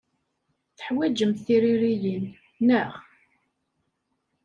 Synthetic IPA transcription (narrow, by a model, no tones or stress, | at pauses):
θə̥ħwæd͡ʒəmθiɾiɾijinː | əʁ